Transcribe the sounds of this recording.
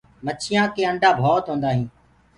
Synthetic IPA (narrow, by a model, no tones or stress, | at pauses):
mət͡ʃʰɪjãːkeːəɳɖʱaːbʱɔːt̪ɦõːnd̪aːɦĩː